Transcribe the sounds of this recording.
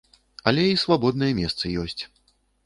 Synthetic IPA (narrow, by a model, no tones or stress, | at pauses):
ɐlʲɛisvabɔd̪nɐjɛmʲɛst̪sɐjɔsʲt͡sʲ